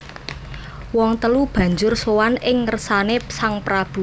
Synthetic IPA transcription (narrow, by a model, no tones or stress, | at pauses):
wɔŋt̪əlub̥ä̤ɲd͡ʒʊrsowanɪŋːərsanesaŋpɾab̥ṳ